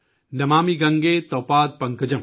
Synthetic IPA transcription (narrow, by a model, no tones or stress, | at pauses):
nɐmaːmiɡɐŋɡeːt̪ɔːpaːd̪̚pɐŋkɐd͡ʒɐm